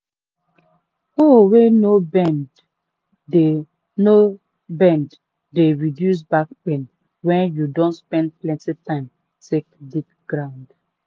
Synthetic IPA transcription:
owenobɛnd | e | no | bɛ̃ndː | eɹidjus̬bak̚pẽn | wɛ̃njudõntspɛ̃nd̚plɛ̃ntitãɪ̃m | tek̚dik̚ɡɾãʊ̃nd

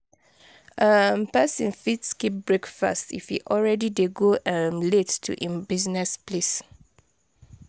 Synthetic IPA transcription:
ʔəmpɛsĩnfitskip̚bɹekfa̰stḭfhḭʔɔlɹɛdideɡoʔɛmlettʰṵʔĩmbiznɛsples

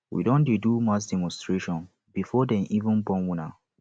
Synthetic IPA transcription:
wḭdɔ̃ndedumat͡ʃdɛmɔ̃nstɹeʃɔ̃n | b̥ifɔdɛ̃nʔivə̃nbɔ̃nwĩna

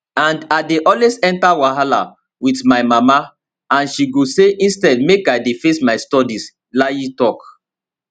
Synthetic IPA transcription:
ãndadeʔɔlwesɛ̃ntawaɦala̰ | witmaɪmama | ãnʃiɡoseʔĩnstɛdmekajdefesmaɪstɔdis | lajitɔk

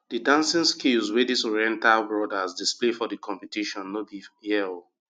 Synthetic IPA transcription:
didãnsĩnskilzwɛdisɔɹiɛ̃ntalbɹɔdasdisplefɔdikʰɔ̃mpitiʃɔ̃nːobijɛl

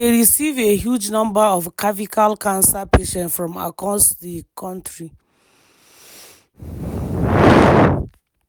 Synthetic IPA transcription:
eɹisiveɦjud͡ʒnɔ̃mbaɔvkʰavikʰalkʰãnsapeʃɛ̃ntfɹɔ̃ma̰kɔ̃stðikʰɔ̃ntɹi

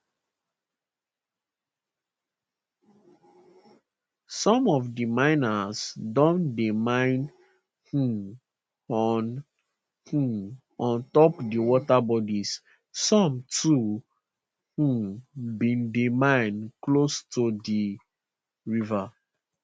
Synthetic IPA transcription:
sɔ̃mɔvdimãɪ̃nasdɔ̃ndimãɪ̃n | h̩ | ɔn | hu | ɔ̃ntɔpdiwɔtabɔdis | sɔ̃mtʰu | hũbĩndimãɪ̃nklostudi | ɹiva

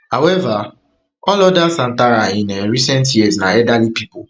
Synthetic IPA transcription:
hawɛva | ɔlɔdasan̩taɾajɪnɛɾisɛ̃nt̬jɛznaɛdalipipo

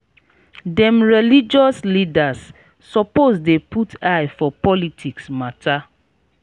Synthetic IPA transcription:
dɛ̃mɹɛlid͡ʒɔslidasː | ɔposdeputʰajfɔpɔlitʰiksmata

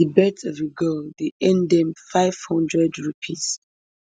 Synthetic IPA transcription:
ibɛtɔvəɡəldeɛ̃ndɛ̃mfaɪv̥hɔ̃ndɹɛdɹupʰis

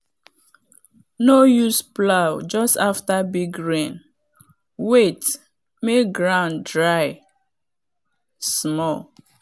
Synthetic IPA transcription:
nojusplawd͡ʒɔstaftabiɡɹẽn | wet | meɡɹãʊ̃ndɹaɪ | smɔl

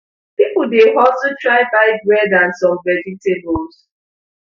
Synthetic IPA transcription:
pipʊdeɦɔtutɹaɪbaɪdwɛdãnsɔ̃mvɛd͡ʒitebols

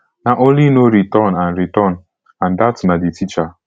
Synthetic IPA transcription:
naʔõnlinoɾitɔnãnɾitɔn | ãndatnaditʰit͡ʃa

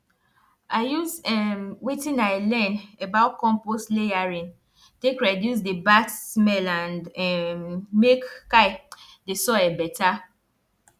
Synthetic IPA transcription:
aɪjusɛmwitĩnaɪlɛ̃nɛbaʊkɔ̃mpostlejaɹĩn | tekɹɛdjusdebatsmɛlãnɛmekkaɪ | desɔɛbɛta

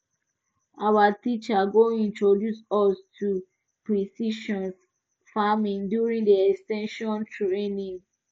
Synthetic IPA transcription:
awatit͡ʃaɡoĩntɹodjusɔstʰu | pɹisiʃɔ̃ns | famĩndjuɹĩŋdiɛkstɛ̃nʃɔ̃ntʰuɹenim

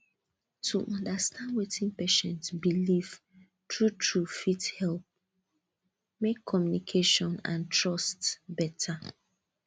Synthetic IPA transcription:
tʰuʔɔ̃ndastʰãndwetʰĩnpeʃɛ̃ntsbiliv̥ | tɹutʰɹufithɛlp̚ | mekʰːɔmjunikʰeʃɔ̃nã̰ntʰɹɔstbɛtʰa

